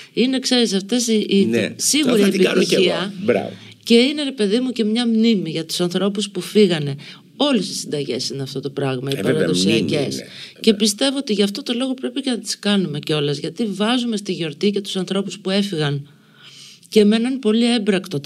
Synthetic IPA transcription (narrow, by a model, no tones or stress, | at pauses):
inekse̞ɾis̬ɐft̪e̞sisiɣuɾiepit̪iiɐbɾ̰v | ce̞ine̞ɾe̞pe̞ðimuce̞mɲɐmnimiʝɐt̪u̥sɐnθɾo̞puspufiɣɐne̞ | o̞lest̪isind̪ɐʝe̞̰sineɐft̪o̞t̪o̞pɾɐɣmɐipɐɾɐðoksiice̞sce̞pist̪e̞vo̞ot̪iʝɐft̪o̞t̪o̞lo̞ɣo̞pɾe̞pice̞nɐt̪i̥skɐnume̞ceo̞lɐzʝɐt̪ivɐzume̞st̪iʝo̞ɾt̪ice̞t̪u̥sɐnθɾo̞puspue̞fiɣɐn | ce̞menɐnpo̞lie̞bɾɐkt̪o̞